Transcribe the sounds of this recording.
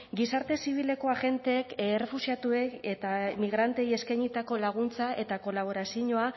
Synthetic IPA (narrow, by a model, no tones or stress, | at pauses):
ɡisaɾt̪e̞siβ̞ile̞ko̞aɣe̞nt̪e̞ːkːre̞fusiat̪ue̞ket̪amiɣ̞ɾant̪e̞je̞skajɲit̪ako̞laɣ̞unt͡saʔe̞t̪ako̞laβ̞o̞ɾasiɲoa